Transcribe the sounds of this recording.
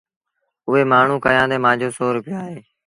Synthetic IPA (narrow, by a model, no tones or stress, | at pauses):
ʊɦeːmaːɳ̤ũːkəjãːd̪eːmãːd͡ʒʱoːsoːɾʊpɪjaːɦeː